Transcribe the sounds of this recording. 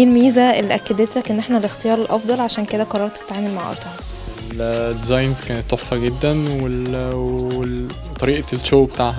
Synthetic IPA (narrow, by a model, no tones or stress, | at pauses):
lmiːzæʔelːiʔækːæd̪et̪lækʔenːʔeħnælext̪ejɑːɾˤelʔɑfd̪ˤɑlʕaʃæːnked̪æqɑrˤːɑɾˤɑt̪ːe̥t̪ʕaːmelmaʕʔɑ̰ɾˤt̪ˤʰɑbz̥eld̪izɑjnzkæːnet̪ˤsoħfɑɡed̪ːænwe | e | t̪ˤɑɾiːʔɑlʃoːbet̪aːʕhæ